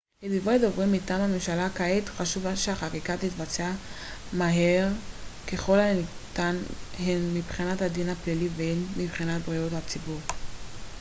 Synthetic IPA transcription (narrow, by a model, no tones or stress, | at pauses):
hedivojdovʁimitamhamemʃalakaetχaʃuvaʃeaχakikatit̪vat͡sea | maɦeʁkeχo̞lat̪anhenmibχinathadinapliliveenmibχinat̚bʁiothat͡sibuʁ